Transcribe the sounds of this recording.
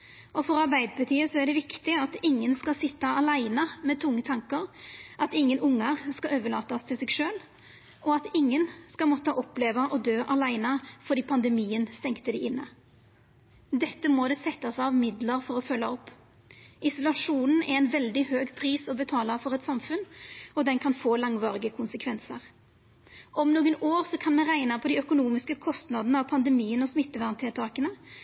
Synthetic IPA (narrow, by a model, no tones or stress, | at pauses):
ɔfɔɾɑʁbæɪd̪əpʰɑt̪ʰiːəsɔæʁɖ̪ɛʋɪkt̪ɪɑt̪ɪŋːənskɑsɪt̪ːəɑlæɪnəmɛt̪ʰʊŋːət̪ʰɑŋkəɾʔɑt̪ɪŋːənʔʊŋːəʁskɑøːʋəɭɑːt̪ɑst̪ʰɪlsɛɡʂøːl | ʔɔɑt̪ɪŋːənskɑlmɔt̪ːəʔɔpleːʋəʔɔd̪øːʔɑlæɪnəfɔʁd̪iːpʰɑnd̪ɛmiːənst̪ɛŋkt̪əd̪ɪʔɪnːə | d̪ɛt̪ːəmod̪ɛsɛt̪ːɑsɑʋmɪd̪ləʁfɔʁɔfœlːəɔpː | ɪsʊlɑʂuːnn̩ɛɾɛnʋɛld̪ɪhøːɡpʰʁiːsɔbət̪ʰɑːlɑfɔʁɛt̪sɑmfʉnɔd̪ɛnkʰɑnfoːlɑŋʋɑːʁɪɡəkʰʊnsəkʰʋɛnsə̰ʁ | ʔɔmnuːɡənoːʁsɔkʰɑnmɛnʁæɪnəpʰɔd̪ɪœkʊnuːmɪskəkʰɔst̪nɑd̪ənəɑʋpʰɑnd̪əmiːənɔsmɪt̪ːəʋæʁnt̪ʰɪlt̪ʰɑːkənə